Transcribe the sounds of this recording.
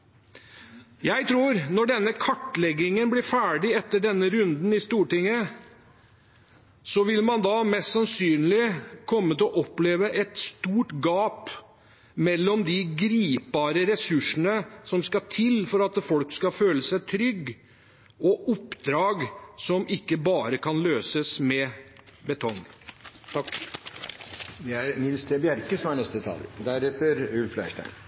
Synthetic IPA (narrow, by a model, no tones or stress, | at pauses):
jæɪt̪ʰɾuːɾnɔɖɛnːəkʰɑʈːlɛɡːɪŋənblɪɾfæːɖɪɛt̪ːəɖɛnːəɾʉnd̪n̩ɪst̪uːʈɪŋːə | sɔʋɪlmɑnd̪ɑːmɛst̪sɑnsyːnlɪkʰɔmːət̪ɪɔʔɔpːleːʋəʔɛt̪st̪uːʈɡɑːp | mɛlːɔmd̪ɪɡɾiːpɑːɾəɾɛsʉʂənəsɔmskɑt̪ʰɪlfɔɾɑt̪fɔlkskɑføːləsæɪt̪ʰɾʏɡ | ɔʔʊpːd̪ɾɑːɡsɔmʔɪkːəbɑːɾəkʰɑnløːsəsmɛbɛt̪ʰɔŋː | ʋ̪ɪæɾnɪlst̪ʰebjæɾkəsɔmæɳɛst̪ət̪ʰɑ̰ːld̪æɾɛt̪əɾʉlflæ̰ɪʂʈæ̰ɪn